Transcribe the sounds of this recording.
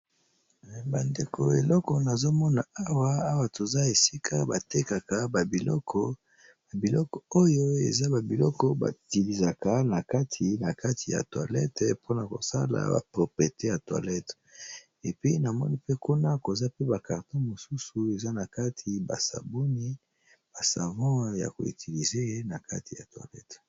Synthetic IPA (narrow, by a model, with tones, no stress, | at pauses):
ba˨nde˨kʰo˨e˨lɔ˦kɔ˨na˨zo˦mɔ˦na˨a˦wa˦a˦wa˨tʰo˨za˦e˨si˦kʰa˦ba˨te˦ka˨ka˨ba˨bi˨lɔ̰˦kʰɔ˦ | ba˨bi˨lɔ˦kɔ˨o˦jo˦ḛ˨za˦ba˨bi˨lɔ̰˦kɔ˦ba̰˨ti˨li˨za˨ka˦na˨ka˦tʰi˨na˨ka˦tʰi˨ja̰˨twa̰˨lɛ̰˦tpʰo˦na˨ko̰˨sa̰˦la̰˨ba̰˨pʁo˨pʁi˨e˨te˦ja˨twa̰˨lɛ˦t | e˨pi˦na˨mɔ̰˦ni˦pe˦ko˦na˦ko˨za˦pe˦ba˨ka˨ʁtɔ̃˦mo˨su˦su˨e˨za˦na˨ka˦tʰi˨ba̰˨sa̰˨bo˦ni˦ | b̥a˨sa˨vã˦ja̰˨ko̰˨ḭ˨tʰi˨li˨ze˦e˦na˨ka̰˦tʰi˨ja̰˨twa̰˨lɛ̰˦t